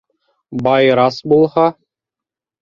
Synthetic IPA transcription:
bɑjɾɑsbulˠhɑ

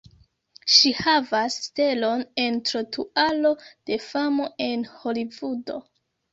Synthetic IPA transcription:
ʃihavasːte̞lo̞ne̞ntɾotʰualo̞d̥e̞famo̞e̞nho̞livudo̞̰

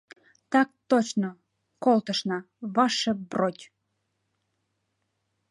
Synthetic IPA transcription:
t̪ɑk̚t̪ot͡ɕno | kolˠt̪əʃnɑ | βɑʃĕbrot̪ʲ

